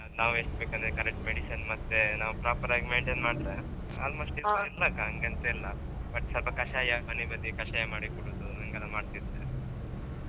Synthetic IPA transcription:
ɐnaːʋueʂʈbeːkɐnd̪ɾekɐɾek̚ʈmeɽiʃɐnmɐt̪ːenaːʋupɾaːpɐɾaːɡimeːɳʈeːnmaːɽɾe | a̰ːlmo̞ːʂʈidilːɐkaɦɐŋɡent̪eilːɐ | bɐʈsɐlpɐkɐʃaːjɐɐnibɐd̪ikɐʃaːjɐmaːɽikɔɽoːd̪uɐŋɡɐlːɐmaːɖt̪id̪ːe

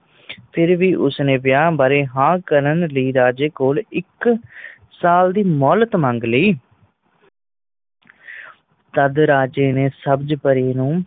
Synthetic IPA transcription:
pʰɪɾʋiːʔʊsnẽːʋɪjaːbaːɾeːɦãːkəɾənləiːɾaːd͡ʒeːkoːlɪk | saːld̪iːmɔːlət̪məŋɡliː | t̪əd̪ɾaːd͡ʒeːneːsəbd͡ʒpəɾiːnũː

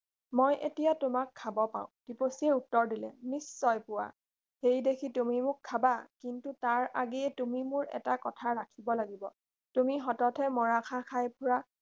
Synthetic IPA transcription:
mojʔetijatʊmakʰːabɔpã̰ʊ̃d̥iposiɛutːɔɹdilɛ̰nisːɔjpʊwa̰ | hejdekʰitumimʊkʰːabakintutaɹa̰ɡeɛtumimʊɹɛ̰takɔtʰaɹakʰibɔlaɡibɔ | tumiɦɔtɔtʰɛmɔɹakʰakʰajpʰʊɹa

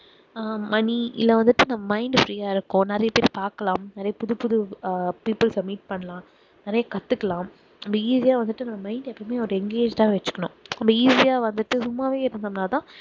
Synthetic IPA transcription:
mɐniɪ̰lːɐʋɐnd̪ɯʈːɯnɐmːɐmɐɪɳɖfɾiːjaːɪɾɯkːʊ̃nɛɾɐjɐpeːɾipaːɾkɐlãːmnɛɾɐjɐpʊðɯpʊðɯpiːpɯlsɐbmiːʈ̚pɐɳːɐlãː | nɛɾɐjɐkɐt̪ːɯkːɐlãːm | ɐmbɐiːsɪjaːʋɐnd̪ɯʈːɯnɐmːɐmɐɪɳɖɛpːɐmeːɔɾɯɛŋɡeːd͡ʒt̪ãːʋɐt͡ʃːɯ̥kːɐnʊ̃ɐmbɐiːsɪjaːʋɐnd̪ɯʈːɯsʊmːaːʋeːɪɾɯnd̪ɐmnaːt̪ãː

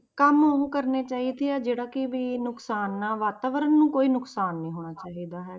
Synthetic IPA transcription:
kəmoɦũːkəɾneːt͡ʃaːɦiːd̪eɛːd͡ʒeːɽaːkɪʋiːnʊksaːnːaːʋaːt̪aːʋəɾənːũːkoːiːnʊksaːnːĩːɦoːɽ̃aːt͡ʃaːɦiːd̪aːɦɛː

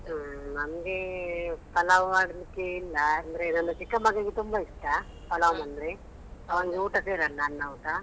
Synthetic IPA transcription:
nɐmɐɡepɐlɐʋmaːɽɐd̪ikːeilːɐːnd̪ɐɾenɐndɐt͡ʃikːɐmɐɡɐɡet̪umbɐiʂʈa | pɐlɐʋmɐnd̪ɐɾe | ɐʋɐŋɡeuːʈɐseːɾɐlːɐaːnːɐuːʈa

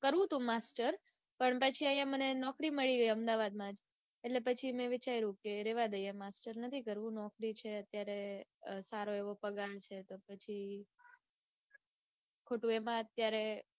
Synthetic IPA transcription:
kəɾʋũt̪ũmasʈəɾ | pəɳpət͡ʃʰiəjãmənenɔkɾiməɭiɡəiəmd̪aʋad̪̚mãd͡ʒ | eʈlepət͡ʃʰimẽʋɪt͡ʃaiɾũkeɾeʋad̪əjamasʈəɾnət̪ʰikəɾʋũnɔkɾit͡ʃʰeət̪jaɾesaɾoeʋopəɡant͡ʃʰet̪opət͡ʃʰi | kʰoʈũemãət̪jaɾe

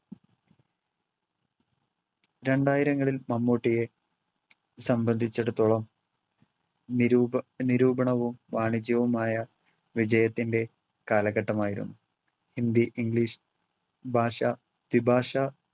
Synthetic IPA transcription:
ɾe̞ɳɖaːjiɾɐŋːɐɭilmɐmːoːʈːije̞ | sɐmbɐnd̪ʱit͡ɕːeɽut̪ːoɭɐm | niɾuːbʱɐɳɐʋumʋaːɳid͡ʑjɐʋumaːjɐ | ʋid͡ʑɐjɐt̪ːinde̞ | kaːlɐɣɐʈːɐmaːjiɾṵnːu | hind̪iʔiŋɡɭiːʂ | bʱaːʂɐ | t̪ibʱaːʂɐ

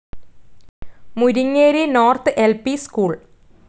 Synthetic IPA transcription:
muɾiŋːeːɾinoːrt̪ɨʔelpiskuːɭ

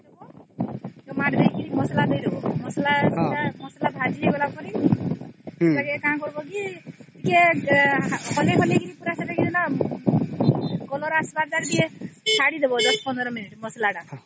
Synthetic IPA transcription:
d̪ebɔ | kemaʈd̪ejkinimɔslad̪ɔjd̪ebɔmɔslasamɔslat̪ɦad͡ʒieɡɔlakɔɾi | saɡekããkɔɾbɔk̬itike | hɔleɦʰɔlekinipuɾasad̪ekid̪ɔna | ɡɔlɔɾasbaɾd͡ʒakd̪iesaɽid̪ebɔd̪ɔspɔnd̪ɾɔminiʈmɔslaɖa

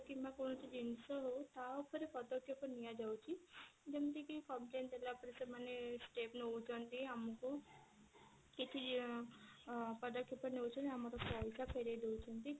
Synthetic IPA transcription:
kimakonɔt͡ʃid͡ʒinsɔɦowt̪aopʰɔɾipɔd̪ɔkʰjɔpɔɾnijad͡ʒawt͡ʃʰid͡ʒɔmt̪ikikɔmplent̪elapɔɾisemanesʈepnout͡ʃʰɔnt̪iamɔku | kit̪ʰi | pɔd̪ɔkʰjɔpɔɾnewut͡ʃʰɔnamɔɾɔpɔjsapʰəjɾejd̪ewt͡ʃʰɔnt̪i

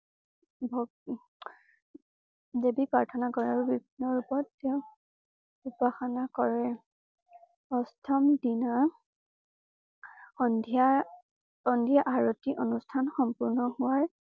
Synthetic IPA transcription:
bʱɔ | debipɹaɹtʰɔnakɔɹɛaɹubibʱinːɔɹupɔtːeʊ | upaxanakɔɹɛ | ɔstʰɔmdina | ɔnda | ɔndʱijaʔaɹɔtiʔonustʰanxɔmpuɹnɔhuwaɹ

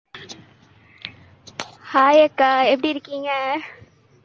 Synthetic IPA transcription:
haːjɐkːaɛpːɐɽiɾɯkːiːŋɡɐ

